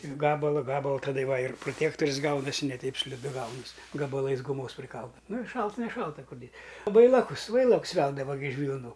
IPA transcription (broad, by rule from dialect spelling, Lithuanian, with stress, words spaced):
ɪr ˈɡɑːbɐlˠɐ ˈɡɑːbɐlˠɐ tɐˈdɐ ˈʋɐ ɪr proːˈtʲeːktoːrʲɪs ˈɡɐʊnɐsʲɪ nʲɛ ˈtʲɛɪp sʲlʲɪˈdʊ ˈɡɐʊnɐsʲ ɡɐbɐˈlˠɐɪs ɡʊˈmoːs pʲrʲɪˈkɐlˠdɐ ˈnʊ ɪr ˈʃɐlˠt nʲɛˈʃɐlˠtɐ ˈkʊr dʲeːs ˈʋɐɪlˠɐkʊs ˈʋɐɪlˠɐks ˈʋʲɛlˠdɐʋɐ ɡʲɪ ɪʃ ʋʲiːlˠˈnuː